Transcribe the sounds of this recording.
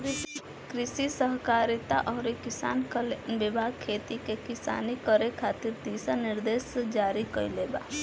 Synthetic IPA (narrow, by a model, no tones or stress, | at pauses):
ɾɪ | kɾɪsisəɦkaːɾɪt̪a̰ʔɔːɾekɪsa̰ːnkəlebɪbʱaːɡ̚kʰːeːt̪ikekɪsa̰ːnikəɾekʰaːt̪ɪɾd̪iːsanɪɾd̪eːsd͡ʒaːɾikəileːba̰ː